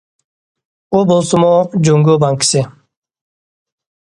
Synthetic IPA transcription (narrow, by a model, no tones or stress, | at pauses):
obolsumod͡ʑuŋɡobaŋki̥se